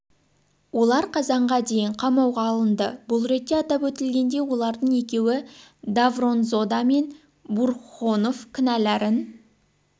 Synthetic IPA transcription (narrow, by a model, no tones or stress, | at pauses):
wo̞lˠɑɾqʰɑzɑɴʁɑd̪e̞jɪɴqʰɑmɑwʁɑːlˠənd̪əbʊlˠɾe̞t̪ːe̞ɑt̪ɑpwɵt̪ɪlɡʲe̞nd̪e̞wo̞lˠɑɾd̪əɴe̞kʲe̞wɪd̪avro̞nzo̞d̪ɑme̞n | burχo̞no̞fkʲʰɪnælæɾɪn